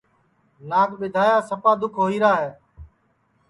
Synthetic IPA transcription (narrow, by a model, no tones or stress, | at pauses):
naːkɓɪd̪ʱaːjaːsəpaːd̪ʊkʰɦoːiːɾaːɦɛː